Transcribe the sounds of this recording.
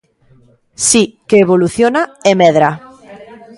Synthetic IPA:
sikeːβoluθjonaemɛðɾa

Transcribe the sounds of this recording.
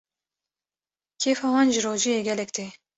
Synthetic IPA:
kʰeːfɑːwɑːnʒɪɾoːʒijeːɡʲɛlɛkt̪eː

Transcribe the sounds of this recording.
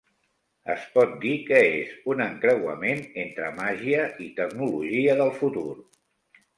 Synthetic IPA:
ə̰spɔt̪̚d̪ikəezunəŋkɾəwə̰menent̪ɾəmaʒiəit̪əknuluʒiəðəlˠfut̪uɾ

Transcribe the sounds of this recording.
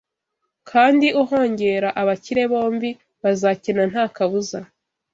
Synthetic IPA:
kʰaːndiʔuɦo̞ːɲɟe̞ɾaʔaβaciɾe̞βo̞ːmbi | βazacinan̥haːkaβuza

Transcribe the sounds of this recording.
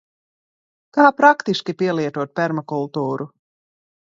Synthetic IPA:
kaːpɾakt̪iʃkʲipʲiɛlˠiɛt̪uɔt̪̚pʲɛɾmakulˠt̪uːɾu

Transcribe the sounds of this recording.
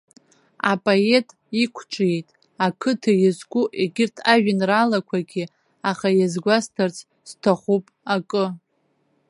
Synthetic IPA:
a̰pʼoe̞tʼ | ikʷʰʈ͡ʂʼje̞jtʼ | akʰɨtʰɨjɪzkʷʊʔeɡʲɪrtʰaʒᶣɪnralakʷʰaɡʲi | aχajazɡʷastʰart͡sʰʼ | z̥tʰaχʷupʼakʼɨ

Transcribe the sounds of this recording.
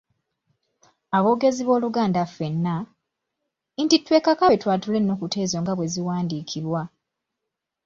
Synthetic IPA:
aβo̞ːɡe̞ziβo̞ːluɡaːndafe̞nːa | intitːwe̞ːkakaβetwaːtulenːo̞ːkute̞ːzo̞ŋɡaβwe̞ziwaːndiːkʰiβwa

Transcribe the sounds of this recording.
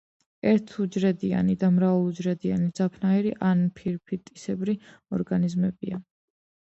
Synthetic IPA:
ɛɾt̪ʰud͡ʒɾɛd̪ia̰nid̪amɾavulˠud͡ʒɾɛd̪ianid̪zapʰnaɛɾiʔanpʰiɾpʰit̪ʼːisɛbɾi | ɔɾɡanizmɛbia

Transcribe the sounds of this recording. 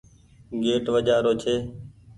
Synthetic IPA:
ɡeːʈʋəd͡ʒaːɾoːt͡ʃʰeː

